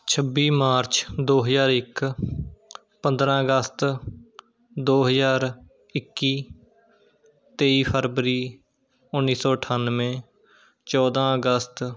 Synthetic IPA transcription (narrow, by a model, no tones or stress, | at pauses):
t͡ʃʰəbiːmaːɾt͡ʃd̪oːɦəzaːɾɪk | pə̃nd̪ɾãːəɡəst̪ | d̪oːɦəzaːɾ | ɪkːiː | t̪eːiːpʰəɾʋəɾiː | ʊnːiːsɔːəʈʰaːnʋẽː | t͡ʃɔːd̪ãːəɡəst̪